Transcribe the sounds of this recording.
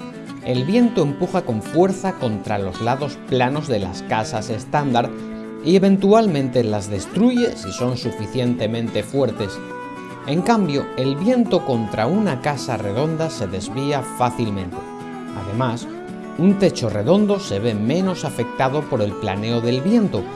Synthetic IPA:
e̞lβje̞nt̪o̞e̞mpuxako̞ɱfwe̞ɾθako̞nt̪ɾalo̞zlaðo̞splano̞zðe̞la̰skasase̞st̪and̪aɾð | ie̞βẽ̞nt̪ualmẽnt̪e̞lazðe̞st̪ɾuʝe̞siso̞nsufiθje̞nt̪e̞mẽ̞nt̪e̞fwe̞ɾt̪e̞s | e̞ŋkambjo̞e̞lβje̞nt̪o̞ko̞nt̪ɾaunakasare̞ð̞o̞nd̪ase̞ðe̞zβiafaθilmẽ̞nt̪e | a̰ðe̞mas | unt̪e̞t͡ʃo̞re̞ðo̞nd̪o̞se̞βe̞mẽ̞no̞safe̞k̚t̪aðo̞po̞ɾe̞lplane̞o̞ðe̞lβje̞nt̪o̞

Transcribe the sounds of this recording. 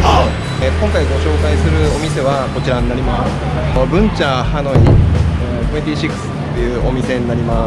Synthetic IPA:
kõ̞ŋkaiɡo̞ɕo̞ːkaisɨɾɯ̟o̞mʲise̞β̞ako̞t͡ɕiɾaɲinaɾʲimasɨɨ | bɯ̟̃ɲ̟t͡ɕahano̞i | koet̪ʲiːɕikɯ̥sɨ̥t̪ːe̞jɯ̟ːʔo̞mʲise̞ɲ̟inaɾʲima

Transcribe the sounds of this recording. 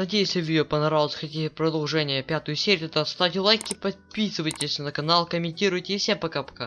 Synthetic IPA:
nɐdʲejɪsʲɪvʲjɪjopənɐɾalˠsxɐtʲiɪpɾəd̪ɐlˠʐɛnʲɪjəpʲat̪ʊjʊsʲeɾʲɪɛt̪at̪st̪atʲlˠajkʲɪpɐpʲisɨvəjtʲɪsʲnəkɐnalˠkəmʲɪnʲtʲiɾʊjtʲɪfsʲapɐkapɐ̥ka

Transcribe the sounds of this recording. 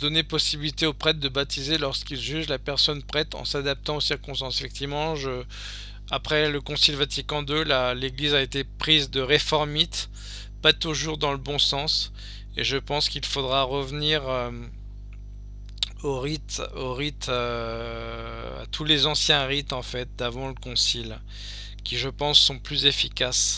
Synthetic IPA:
d̪ɔnepɔsibilit̪eopχɛt̪̚d̪əbat̪izelɔʁskilʒyʒlapɛʁsɔnpχɛt̪ɑ̰̃sad̪ap̚t̪ɑ̃osiʁkɔ̃st̪ɑ̃sefɛk̚t̪ivmɑ̃ʒə | apχɛləkɔ̃silvat̪ikɑ̃d̪ølaleɡlizaet̪epχizd̪əʁefɔʁmit̪ | pat̪uʒuʁd̪ɑ̃ləbɔ̃sɑ̃s | eʒəpɑ̃skʲilfod̪ʁaʁəvniʁø | oʁit̪oʁit̪ʰø | a̰t̪ʰulezɑ̃sjɛ̃ʁit̪ɑ̃fɛt̪̚d̪avɑ̃ləkɔ̃sil | kʲiʒəpɑ̃sːɔ̃plyzefikas

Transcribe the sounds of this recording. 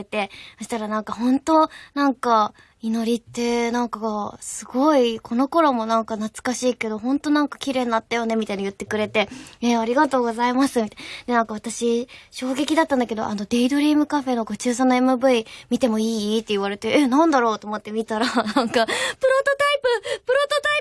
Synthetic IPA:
et̪e̞soɕi̥t̪aɾanãŋkahõ̞nt̪o̞nãŋka | ino̞ɾʲit̪ːe̞nãŋkasɨɡo̞ikʰo̞no̞ko̞ɾo̞mo̞nãŋkanat͡sɨ̥kaɕiːke̞d̪o̞ɦõ̞nt̪o̞nãŋkḁkʲiɾe̞ːɲinat̪ːajo̞ne̞mʲit̪ainajɯ̟t̪ːe̞kɯ̟ɾe̞t̪e̞eaɾʲiɡat̪o̞ːɡo̞zaimasɨmʲit̪d̪̥e̞nãŋkaβat̪aɕiɕo̞ːɡe̞kʲid̪at̪ːãnd̪ake̞d̪o̞̰ʔa̰no̞d̪e̞id̪oɾʲiːmɯ̟kaɸe̞no̞ɡo̞t͡ɕɨːsanːoe̞mɯ̟bɯ̟imʲit̪e̞mo̞iːt̪ːe̞iβaɾe̞t̪e̞ʔenãnd̪aɾo̞ːt̪o̞ːmo̞t̪ːe̞mʲit̪aɾanãŋkapɯ̟ɾo̞t̪ot̪aipɯpɯ̟ɾo̞t̪ot̪ai

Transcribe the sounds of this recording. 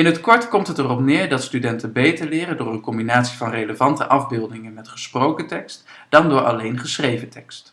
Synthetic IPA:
ɪnɦətkɔɹtkɔmtɦətərɔpnɪːɹdɑtstydɛntənbejtəɹlɪːrəndʊːɹənkɔmbinaːtsivɑnreləvɑntə̰ʔɑvbɪlˠdɪŋənmɛtχəsprowkətɛkst | d̥ɑndʊːɹʔɑ̰lejnχəsrejvətɛkst

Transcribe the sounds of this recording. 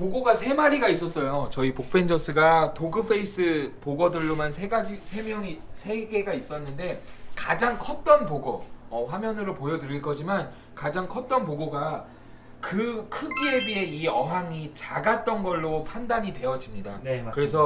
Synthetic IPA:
poɡoɡasʰe̞maɾiɡais͈ʌs͈ʌjot͡ɕʌipok̚p͈e̞nd͡ʑʌs͈ʰɯɡatʰoɡɯpʰe̞is͈ʰɯpoɡʌdɯɭːomansʰe̞ɡad͡ʑisʰe̞mjʌŋisʰe̞ɡe̞ɡais͈ʌnːɯnde̞kad͡ʑaŋkʰʌt̚t͈ʌnpoɡoʌɸwamjʌnɯɾopojʌdɯɾiɭk͈ʌd͡ʑiman | kad͡ʑaŋkʰʌt̚t͈ʌnpoɡoɡa | kɯkʰɯɡiebiɦe̞iʌɦaŋit͡ɕaɡat̚t͈ʌnɡʌɭːopʰandaɲidwe̞ʌd͡ʑimɲidakɯɾe̞s̬ʰʌ

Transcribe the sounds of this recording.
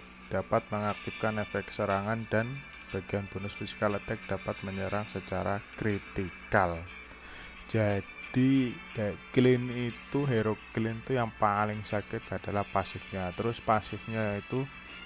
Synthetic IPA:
d̥apat̪̚məŋak̚t̪ɪf̚kanefɛksəɾaŋandan | b̥aɡ̥ijanb̥onʊsfisi̥kalət̪ɛk̚d̥apat̪̚məɲəɾaŋsət͡ʃaɾakɾit̪ikal | d͡ʒad̥id̥aklɪnit̪uɦeɾoklɪnt̪ujaŋpalɪŋsakɪt̪adalahpasɪfɲat̪əɾʊspasɪfɲait̪u

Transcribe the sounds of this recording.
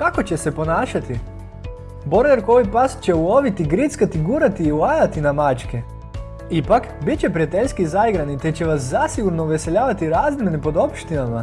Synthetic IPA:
kako̞t͡ɕe̞se̞po̞naːʃat̪i | bo̞ɾd̪eɾkoʋojpast͡ɕe̞ulo̞ʋit̪iɡɾit̪skat̪iɡuɾat̪iːulajat̪inamat͡ʃke | ipakbitt͡ɕepɾiat̪eʎskizajɡɾanit̪e̞t͡ɕe̞ʋaszasiɡuɾnoʋe̞seʎaːʋat̪iɾaːzmjenepo̞d̪o̞pʃt̪inama

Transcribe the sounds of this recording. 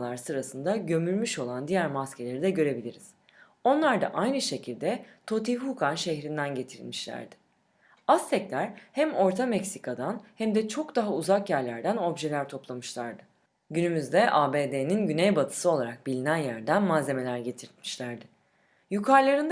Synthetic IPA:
lˠaɾsɯɾasɯnd̪aɟø̞myɾʲmyʃo̞lˠand̪ijæɾmascʰe̞lʲe̞ɾid̪ɛɟø̞ɾe̞bilʲiɾiz̥ | o̞nlˠaɾd̪a̰ʔajnɯʃe̞cʰilʲd̪ɛt̪ʰo̞t̪ihukanʃe̞çɾind̪ænɟe̞t̪ʰiɾlʲmiʃlʲæ̰ɾd̪ɪ̥ | ast̪ʰɛclʲæɾhæmo̞ɾt̪ʰamɛcsikʰad̪anhæmd̪ɛt͡ʃʰo̞kd̪aɦauzakjæɾlʲæɾd̪æno̞bʒe̞lʲæɾt̪ʰo̞plˠamɯʃlˠaɾd̪ɯ | ɟynymyzd̪ɛʔaːbeːd̪eninɟynejbat̪ʰɯ̥sɯo̞lˠaɾak̚bilʲinænjæɾd̪ænmanze̞me̞lʲæɾɟe̞t̪ʰiɾt̪mi̥ʃlʲæɾd̪ɪ | jukʰaɾlˠaɾɯnd̪

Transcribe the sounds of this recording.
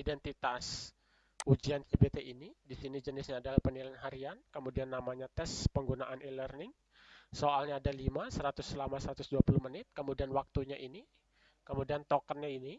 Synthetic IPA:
idɛnt̪it̪as | ud͡ʒiand͡ʒebet̪eʔinidisinid͡ʒənɪsɲaːdalahpənilaanɦaɾiankəmudianːamaɲat̪ɛspəŋɡunaʔanilərnɪŋ | soʔalɲaːdalimasəɾat̪ʊsːəlamasəɾat̪ʊsduapuluhmənɪt̪̚kəmudianwak̚t̪uɲaʔini | kəmudiant̪ɔkənɲaini

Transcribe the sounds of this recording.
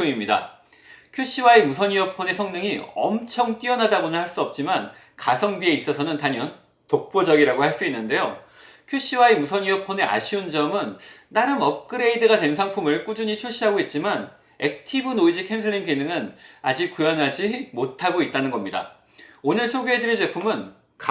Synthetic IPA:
oŋimɲida̰ | kʰjoɕ͈ʰiwaemusʰʌɲiʌpʰone̞sʰʌŋnɯŋiʌmt͡ɕʰʌŋt͈iʌnɦadabonɯnhaɭs͈uʌp̚t͡ɕ͈iman | kasʰʌŋbie̞is͈ʌsʰʌnɯntaɲjʌn | tok̚p͈od͡ʑʌɡiɾaɡohaɭs͈uinːɯnde̞jo | kʰjuɕ͈ʰiwaemusʰʌɲiʌpʰone̞ʔa̰ɕʰiund͡ʑʌmɯnːaɾɯmʌp̚k͈ɯɾe̞idɯɡadwe̞nsʰaŋpʰumɯɭk͈ud͡ʑuɲit͡ɕʰoɕ͈iɦaɡoit̚t͡ɕ͈iman | e̞k̚tʰibɯnoid͡ʑikʰensʰɯɭːinkenɯŋɯnad͡ʑik̚k͈ujʌnɦad͡ʑimotʰaɡoit̚t͈anɯnɡʌmɲida̰ | onɯɭsʰoɡjoɦedɯɾid͡ʑe̞pʰumɯn | k

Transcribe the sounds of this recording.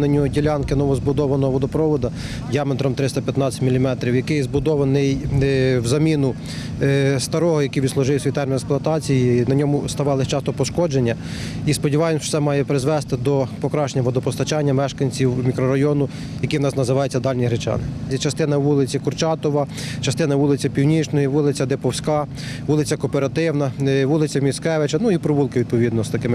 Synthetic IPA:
nɐnʲɔdʲilʲɑnkɪnɔʋɔzbʊd̪ɔʋɐnɔɦɔʋɔd̪ɔpɾɔʋɔd̪ɐ | dʲijɑmet̪ɾɔmt̪ɾɪst̪ɐpʲjɐt̪nɑt͡sʲɐ̥tʲmilʲimɛt̪ɾʲiwjɐkɪjzbʊd̪ɔʋɐnɪjwzɐmʲinʊ | st̪ɐɾɔɦɔjɐkiʋʲid̪slˠʊʒɪwsʲit̪ɛrmʲinɛksplˠʊɐt̪ɑt͡sʲijinɐnʲɔmʊst̪ɐʋɑlˠɪt͡ʃɑst̪ɔpɔʃkɔd͡ʒenʲːɐ | ispɔdʲiʋɑjɪmʃsɛmɑjɛpɾɪzʋɛst̪ɪd̪ɔpɔkɾɑʃenʲɐʋɔd̪ɔpɔst̪ɐt͡ʃɑnʲːɐmɛʃkɐnʲt͡sʲiwmʲikɾɔɾɐjɔnʊ | jɐkiwnɑsnɐzɪʋɑjʊt͡sʲːɐd̪ɑlʲnʲiɦɾet͡ʃɑ̰nɪit͡ʃɐst̪ɪnɐʋulˠɪt͡sʲikʊrt͡ʃɑt̪ɔʋɐt͡ʃɐst̪ɪnɐʋulˠɪt͡sʲɐpʲiwnʲit͡ʃnɔjiʋulˠɪt͡sʲɐd̪epɔwsʲkɑ | ʋulˠɪt͡sʲɐkɔpeɾɐt̪ɪwnɐʋulˠɪt͡sʲɐmʲisʲkɛʋet͡ʃɐnuipɾɔʋulˠkɪʋʲid̪̚pɔʋʲid̪nɔst̪ɐkɪmɪ

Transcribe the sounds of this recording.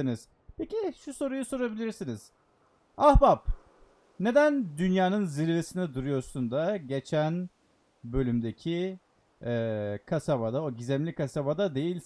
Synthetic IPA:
iniz̥ | pʰe̞ciʃuso̞ɾujuso̞ɾabilʲiɾsiniz̥ | ahbap | ne̞d̪ænd̪ynjaːnɯnziɾvesinɛd̪uɾujo̞ɾsund̪aɟe̞t͡ʃʰæn | bø̞lʲymd̪e̞cʰi | ɛːkʰasaβad̪aoɟizɛmlʲikʰasabad̪ad̪e̞jilʲs

